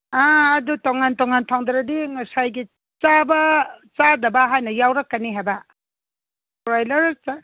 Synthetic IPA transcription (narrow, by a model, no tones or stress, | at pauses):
aːdutoŋantoŋantʰaŋd̪ɾɐdiŋɐsajɡi | t͡ʃabɐt͡ʃadɐbɐɦajnɐjawɾɐkːɐniɦajbɐ | ɾajlɐɾta